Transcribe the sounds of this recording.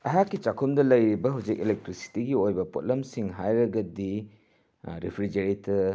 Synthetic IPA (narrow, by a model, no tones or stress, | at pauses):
ɐɦakːit͡ʃakʰumdɐlɐjɾibɐɦɐwd͡ʒik̚ilek̚tɾisi̥tiɡiojbɐpo̰t̚lɐmsiŋɦajɾɐɡɐdi | ɾipʰɾid͡ʒeɾitʰɐ